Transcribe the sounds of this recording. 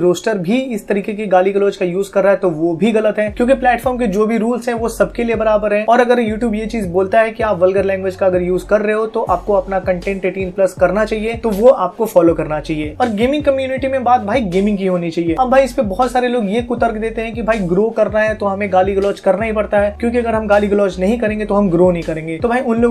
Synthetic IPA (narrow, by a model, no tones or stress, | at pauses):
ɾoːsʈəɾbʱiɪst̪ɐɾiːkekeɡaːliɡəlɔːd͡ʒkajuːzkɐɾːaɦɛt̪oʋobʱiɣɐlət̪ɦɛːkjõːkiplɛːʈfɔːɾmked͡ʒoːbʱiɾuːlsɦɛ̃ʋosɐb̚kelijebɐɾaːbəɾɦɛ̃ːɔːɾɐɡəɾjuːʈjuːbjet͡ʃiːzboːlt̪aɦɛkiaːpʋɐlɡəɾlɛ̃ːŋɡʋed͡ʒkaɐɡəɾjuːzkɐɾːeɦot̪oʔaːp̚koɐpnakɐ̃ɳʈẽːɳʈɾeʈiːnplɐskɐɾnat͡ʃaːɦiet̪oʋoʔaːp̚kofɔːloːkɐɾnat͡ʃaːɦieːɔːɾɡeːmɪ̃ŋɡ̚kɐmjuːnɪʈimẽbaːt̪̚bʱaːiɡeːmɪ̃ŋɡkiɦoːnit͡ʃaːɦieːɐbːʱaːiɪspebɔːɔt̪saːɾeloːɡjekʊt̪əɾkd̪eːt̪eɦɛ̃kibʱaːiɡɾoːkɐɾnaɦɛt̪oɦɐmẽɡaːliɡlɔːt͡ʃkɐɾnaɦĩpɐɽt̪aɦɛːkjõːk̬iɐɡəɾɦɐ̃mɡaːliɡlɔːt͡ʃnɐɦĩkɐɾẽːŋɡet̪oɦɐmɡɾoːnəɦĩkɐɾẽːŋɡeːt̪obʱaːiʊnloː